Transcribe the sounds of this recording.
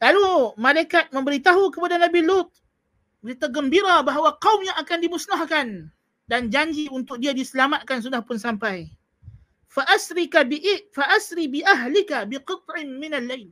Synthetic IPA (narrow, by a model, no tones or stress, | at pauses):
lalumalajkat̪̚mə̃mbəɾit̪aɦukəpadanabilut̪̚ | bəɾit̪aɡəmbiɾabaɦwaqaumɲaakandimusnahkan | dand͡ʒaɲd͡ʒiunt̪ʊk̚diadisəlamat̪̚kans̬udahpʊnsampaj | faʔasɾikabiʔfaʔasɾibiʔaɦlɪkabɪqɨt̪̚ˤʕɪnmɪnalːajl